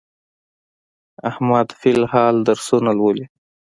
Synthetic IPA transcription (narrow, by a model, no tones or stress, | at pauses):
ahmad̪filhɑld̪əɾsonalwəli